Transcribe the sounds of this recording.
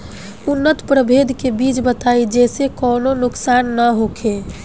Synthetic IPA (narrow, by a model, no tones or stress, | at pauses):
unːət̪pɾəbʱed̪ʱkebiːt͡ʃbət̪aid͡ʒɛsekɔːnonʊksaːnːəɦokʰe